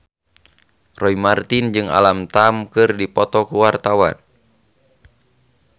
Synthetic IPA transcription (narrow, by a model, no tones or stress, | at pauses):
rɔimart̪ind͡ʒɨŋa̰lamt̪amkɨrdipɔt̪ɔkuwart̪awa̰n